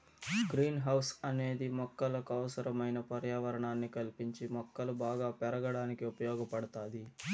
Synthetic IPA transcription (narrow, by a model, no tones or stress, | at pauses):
ɡɾiːnɦɐwsɐne̞ːd̪imɔkːɐlɐkɐwɐsɐɾɐmɐjnɐpɐɾjaːʋɐɾɐɳaːnːikɐlipiɲt͡ʃimɔkːɐlubaːɡaːpɛɾɐɡɐɽaːnikiupɐjɔːɡɐpɐɽɐt̪aːd̪i